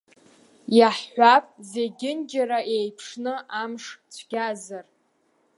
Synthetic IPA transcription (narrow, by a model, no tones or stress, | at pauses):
jaħːʷapʼzeɡʲɪnd͡ʒaɾaʔejpʰʂnɨʔamʂt͡ɕʷʰɡʲazar